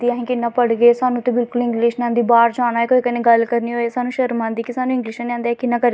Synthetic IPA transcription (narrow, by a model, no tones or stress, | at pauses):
d̪iːaːɦĩːkɪnːãːpəɽɡeːsaːnũːt̪ẽːbɪlkʊlɪ̃ŋɡlɪːʃnãːnd̪iːbaːɾd͡ʒaːñaːɦɛkoːiːkənẽːɡəlkəɾniːɦoːesaːnũːʃəɾmãːnd̪iːkɪsaːnũːɪ̃ŋɡliːʃanãːnd̪eːɛːkɪnːãːkəɾ